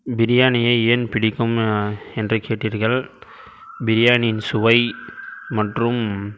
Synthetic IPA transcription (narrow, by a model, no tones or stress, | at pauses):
bɪɾɪjaːnɪjɐɪeːnpɪɽɪkːɯmɛndrɐkeːʈːiːɾɣɐɭ | bɪɾɪjaːnɪnsʊʋɐɪmɐʈrɯm